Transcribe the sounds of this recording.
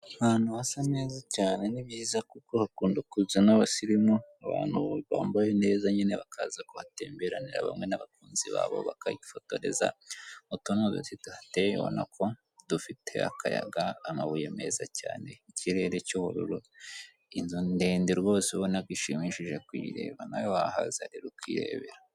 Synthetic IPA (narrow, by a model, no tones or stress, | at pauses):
aβaːn̥huβasame̞ːzacaːne̞niβjiːzakukohakuːndukuzenaβasiɾimoaβa̰ːn̥huβa̰ːmbajone̞ːzaɲineβakʰazakoβateːmbeɾaniɾa̰βa̰mŋenaβakuːnzḭβa̰ːβo̰βa̰kaiɟi̥fo̞to̞ɾe̞̰za̰mutonozḛsituhatejoβo̰na̰kʰo̞ | dufitʰe̞a̰kaja̰ɡaːmaβujemezacaːne̞iciɾe̞ɾecoβoɾṵɾo | inzondeːndeɾwo̞ːsiβonakɡwiʃimiʃiʒekwiːɾe̞̰ːβanajohahazaɾiɾukwiːɾḛːβeɾa